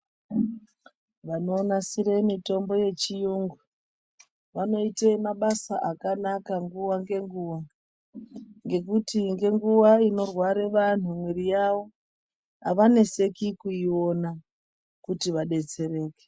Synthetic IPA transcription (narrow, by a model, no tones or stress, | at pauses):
ʋano̞ːnasiɾe̞mito̞mbo̞je̞t͡ʃijuŋɡu | ʋano̞iteimaɓasaʔakanakaŋɡuʋaŋɡe̞ŋɡuːʋa | ŋɡe̞kutiŋɡe̞ŋɡuʋaino̞rwaɾe̞ʋan̤umwiɾijawo̞ | aʋane̞se̞kikuio̞na | kutiʋaɗe̞t͡se̞ɾe̞ːke